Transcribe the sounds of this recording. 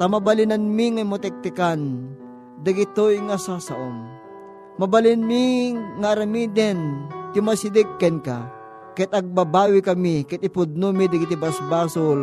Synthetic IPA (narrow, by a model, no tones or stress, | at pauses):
t̪ɐmɐbɐlɪnanmiŋamot̪ɛk̚t̪ɪkan | d̪ɐɡɪt̪oiŋasasɐʔoŋ | mɐbɐlinmiŋaːɾɐmid̪ɛnt̪ɪmasid̪ɛkːɛnka | kɐt̪ɐɡ̚babaːwikɐmikɐt̪ɪpʊd̪̚numid̪ɐɡit̪ɪbɐsbaːsol